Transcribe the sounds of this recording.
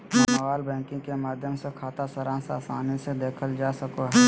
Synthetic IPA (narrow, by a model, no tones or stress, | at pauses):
ɐɐɡaːlbɛ̃ːkɪ̃ŋɡkemaːd̪ʱjəmsekʰaːt̪asɐɾãːnsaːsaːnised̪eːkʰəld͡ʒaːsɐkoɦɛː